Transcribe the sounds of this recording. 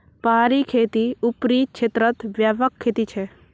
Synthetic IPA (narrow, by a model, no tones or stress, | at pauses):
paːɾikʰeːt̪iupɾiːkt͡ʃʰet̪ɾət̪ʋjaʋəkʰːeːt̪it͡ʃʰe